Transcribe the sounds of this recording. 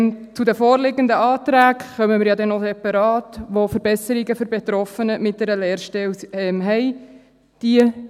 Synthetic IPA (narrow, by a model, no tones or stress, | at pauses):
mt͡sud̪əfɔːɾlɪɡəndəɑːt̪ɾæːɡχœməmɪːɾjɑd̪ɛnosɛpɑɾɑːtʋofəɾbɛsəɾiɡəføɾbɛt̪ɾɔfənəmɪt̚d̥̪ɛɾəlɛːɾʃtɛlɛmɦɛj | d̥iə